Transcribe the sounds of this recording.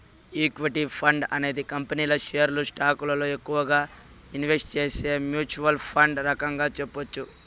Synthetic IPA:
ikʋiʈipʰɐɳɖɐne̞ːd̪ikɐmpɐniːlɐʃɛjɐɾlusʈaːkulɐlo̞ːekːuʋɐɡaː | inʋe̞sʈ̚t͡ʃeːseːmjuːt͡ʃuʋɐlpʰɐɳɖɾɐkɐŋɡaːt͡ʃepːot͡ʃːu

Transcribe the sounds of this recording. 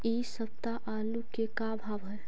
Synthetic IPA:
isəb̚t̪aʔalukekabʱabɦəj

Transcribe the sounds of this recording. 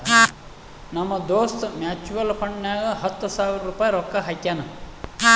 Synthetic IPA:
nɐmːɐd̪oːst̪maːt͡ʃuʋɐlfʰɐɳɖnaːɡɐɦɐt̪ːusaːʋiɾɐɾuːpaːjɾɔkːɐɦɐkjaːnɐ

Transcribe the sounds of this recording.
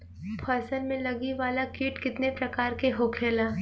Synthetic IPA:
pʰɐsəlmẽlɐɡiʋaːlakiːʈkɪt̪nepɾɐkaːɾkeɦoːkʰeːlaː

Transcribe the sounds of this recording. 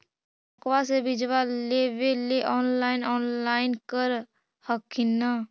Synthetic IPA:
p | əkʋasebɪd͡ʒʋaleʋeleʔɔːnlaːɪnɔːnlaːɪnkəɾ | həkʰːɪnə

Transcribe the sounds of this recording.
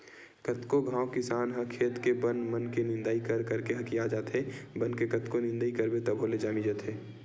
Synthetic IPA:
kət̪koɡʱãːwkɪsaːnɦɐkʰːeːt̪kebənmənkenɪ̃nd̪aːikəɾkəɾkeɦɐkiaːd͡ʒaːt̪ɦebənkekət̪konɪ̃nd̪aikəɾbet̪əbʱoled͡ʒaːmid͡ʒət̪ɦeː

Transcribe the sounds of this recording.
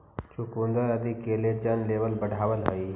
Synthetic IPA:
t͡ʃʊkũnd̪əɾəd̪ʱɪkːeled͡ʒənleːʋəlbəɽ̤ʱaːʋəlɦəiː

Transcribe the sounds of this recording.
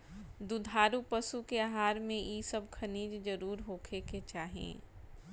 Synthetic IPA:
d̪ʊd̪ʱaːɾupəsukeaɦaːɾmẽʔisəb̚kʰɐniːd͡ʒd͡ʒəɾuːɾɦoːkʰeket͡ʃaːɦḛ̃ː

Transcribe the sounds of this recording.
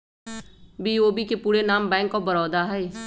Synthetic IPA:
biːoːbikepuːɾenaːmbɛ̃ːŋkːobəɾɔːd̪aɦɛː

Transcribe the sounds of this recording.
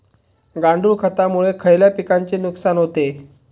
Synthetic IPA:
ɡaɳɖuːɭkʰət̪amuɭekʰəjljapikaɲt͡senuksanɦot̪e

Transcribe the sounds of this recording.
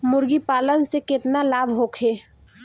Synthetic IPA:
mʊɾɡipaːlənsekɪt̪nalaːbʱɦoːkʰeː

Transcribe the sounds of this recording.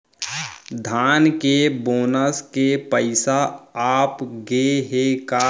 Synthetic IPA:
d̪ʱaːnkeboːnəskepəɪsaaːpɡeɦeka

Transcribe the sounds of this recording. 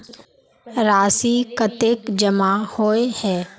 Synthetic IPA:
ɾaːsikət̪eːkd͡ʒəmahoːehɛː

